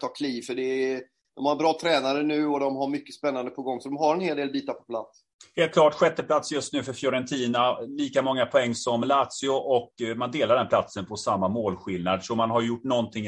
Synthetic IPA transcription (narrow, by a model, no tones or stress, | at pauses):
t̪ʰɑːkʰliːvfœɖɛ | d̪̥ɔmhaɾbɾɑːt̪ʰɾɛːnaɾənʉ̟ːɔd̪ɔmɦaɾmʏkːəspɛnːand̪əpʰɔɡɔŋːsɔd̪ɔmɦaɾɛnheːld̪eːlbiːt̪aɾpʰɔ̥pʰla̰t̪s | heːlt̪̚kʰlɑːʈɧɛt̪ːəpʰlat̪sjɵst̪nʉ̟ːfœɾfjɔɾɛnt̪ʰiːnaliːkamɔŋːapʰɔɛŋːsɔmlaːt̪sɪʊʔɔkmand̪eːlaɾɖɛnpʰlat̪sənpʰɔsamːamoːlɧɪlnad̪ʂɔmanɦaɾjʊʈːnɔnt̪ʰɪŋ